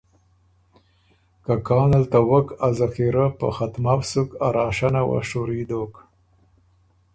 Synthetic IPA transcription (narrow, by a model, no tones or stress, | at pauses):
kakɑːnalt̪awəkazaxiɾapə̰xat̪mawsukaɾɑːʃanawa̰ʂoɾid̪ok